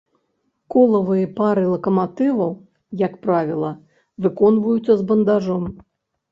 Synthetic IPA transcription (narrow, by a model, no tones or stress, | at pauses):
kɔlˠɐvɨjɐpaɾɨlˠɐkɐmat̪ɨvɐw | jɐkpɾavʲilˠɐ | vɨkɔnvujut̪sːɐzbɐnd̪aʐɔm